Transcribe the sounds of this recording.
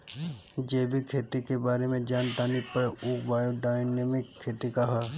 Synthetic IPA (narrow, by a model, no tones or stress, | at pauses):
d͡ʒeːbʱikʰeːt̪ikebaːɾemẽd͡ʒaːnt̪aːnipəɽeuːbaːjoɖaːjnemɪkʰːeːt̪ikaɦaː